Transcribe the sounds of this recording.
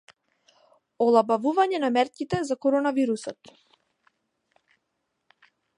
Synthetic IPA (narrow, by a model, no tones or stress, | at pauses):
ɔlˠabavuvaɲɛnamɛɾcʲit̪ɛzakɔɾɔnaviɾusɔt̪